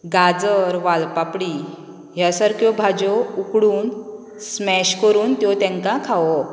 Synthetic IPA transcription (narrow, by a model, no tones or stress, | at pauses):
ɡad͡zəɾʋalpapɽi | ɦjasaɾkjɔbʱad͡ʑɔukɽuːn | smɛɕkəɾuːnt̪jɔt̪jɛ̃ŋkãkʰaʋɔ